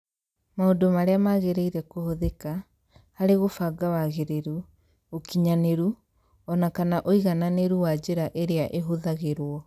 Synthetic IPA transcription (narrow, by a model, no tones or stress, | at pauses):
maodomaɾeamaɣeɾeiɾɛkohoðeka | haɾeɣofaɡawaɣeɾeɾu | okiɲaneɾu | ɔnakanaʔoiɣananeɾuwad͡ʑeɾaʔeɾeaʔeɦoðaɣeɾwɔ